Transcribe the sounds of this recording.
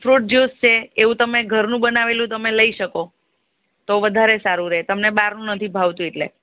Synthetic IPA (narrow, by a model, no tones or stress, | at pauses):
fɾoʈ̚d͡ʒust͡ʃʰeeʋũt̪əmeɡʱəɾnũbənaʋelũt̪əmeləiʃəko | t̪oʋəd̪ʱaɾesaɾũɾet̪əmneɓaɾnũnət̪ʰibʱaʋt̪ũeʈlḛ